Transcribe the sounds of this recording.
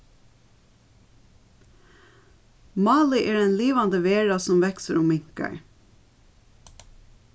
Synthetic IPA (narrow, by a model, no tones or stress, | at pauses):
mɑːlɪʔeːɹɛnliːʋɑnd̪əʋeːɹɑsɔmʋɛksəɹʊmːɪŋ̥kə̰ɹ